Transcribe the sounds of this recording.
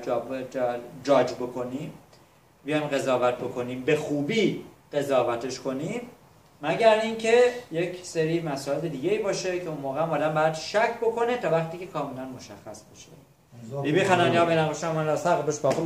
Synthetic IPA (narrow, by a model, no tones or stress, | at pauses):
d͡ʒɒːd͡ʒbokʰo̞nim | bijɒjmɢe̞zɒːvæt̪̚ʰbo̞kʰo̞niːmbe̞xuːbiːɢ̥e̞zɒːvæt̪ʰe̞ʃkʰo̞nimː | æɟæɾiːncʰe̞je̞cʰseɾiːmæsɒːeled̪iːɟeiːbɒːʃe̞cʰe̞unmoːɣeæmbɒːd̪æmbɒːjæd̪ʃækʰːbo̞kʰo̞net̪ʰɒːvæχt̪iːcʰe̞kʰɒːmelænmo̞ʃæxːæsbeʃḛ | bibixænænjɒːmeɾænɡoʃæmænd̪æsæʁbeʃbɒxu